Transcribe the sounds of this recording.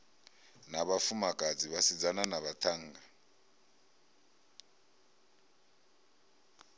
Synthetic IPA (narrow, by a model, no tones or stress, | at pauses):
naβafumakʼad͡ziβasid͡zananaβatʰaŋ̩ːɡa